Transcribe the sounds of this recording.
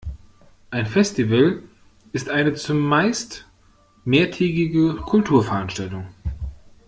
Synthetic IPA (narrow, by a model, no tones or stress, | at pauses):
ʔaɪnfɛstivəl | ʔɪstʔaɪnət͡sʊmːaɪst | meːɐtʰɛːɡɪɡəkʰʊltʰuːɐfɛɐʔanʃtaltʊŋ